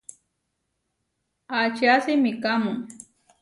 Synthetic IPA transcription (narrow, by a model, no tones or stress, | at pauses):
at͡ʃasɪmɪkamʊŋ